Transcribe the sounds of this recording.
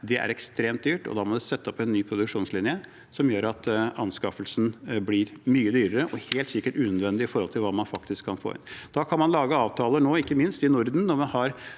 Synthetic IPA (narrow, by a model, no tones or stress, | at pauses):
d̪ɛʔæ̰ɾɛkst̪ɾeːmt̪̚d̪yːʈɔ̰d̪ɑːmɔd̪ɛsɛt̪ːəɔpʰːɔɛnːyːpʰɾʊd̪ʉkʂuːnslɪnjə | sɔmjøːɾɑt̪ʔɑnskɑfəlsn̩blɪɾmyːəd̪yːɾəɾəʔɔheːlt̪sɪkːəʈʉːnœd̪ʋɛnd̪ɪɪfɔɾhɔlt̪ʰɪlʋɑːmɑnfɑkt̪ɪskʰːɑnfo̰ːɪ̰nd̪ɑːkʰɑnmɑnlɑːɡəɑːʋt̪ʰɑːlənoːɪkːəmɪnst̪ɪnʊɾd̪n̩ːɔɾmɑnhɑɾ